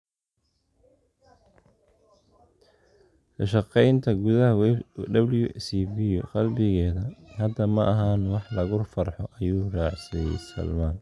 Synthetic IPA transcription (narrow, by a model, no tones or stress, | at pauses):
kɐʃɑqɛjnt̪ʰɐɡʊðɐɦɐd̪ɐblɪjʊʔɪsiːbɪjɔqɑlbɪɣɛːðɐhɐd̪ːɐmɐʔɐɦaːnwɑħlɐɣʊrfɐrħɔʔɐjuːrɑːʕsɛjɛ̰sɐ̰lmaːn